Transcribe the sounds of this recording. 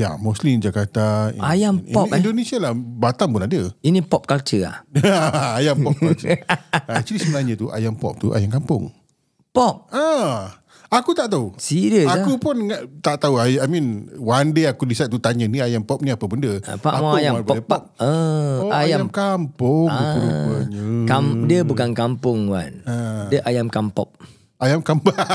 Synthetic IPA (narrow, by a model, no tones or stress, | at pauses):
ja̰mɔslimd͡ʒakat̪aḭajamiɔndonesialahbat̪aŋbʊnadəinipɔp̚kalt͡ʃəa̰aːjampɔpkat͡ʃəat͡ʃudisəmənaɲət̪uʔa̰jampɔ̰p̚t̪ṵʔa̰jaŋkampʊ̰ŋ | pɔp̚a | akut̪aʔt̪ausiɾəsakupʊnŋaʔt̪aʔt̪auaamĩnwandeakudisat̪̚t̪ut̪aɲəniajampɔp̚niapəbəndə̰paʔamaajaapbdəpɔp̚əaajajamkampʊŋəɾukua̰ɲəkamdiəbukankampʊŋwa̰nadəʔajamkampɔ̰p̚ | ajamkamba